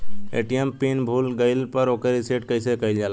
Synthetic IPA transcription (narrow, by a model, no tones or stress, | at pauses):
ḛːʈijempiːnbʱuːlɡəɪlpəɾoːkəɾiseːʈkəɪsekəild͡ʒaːl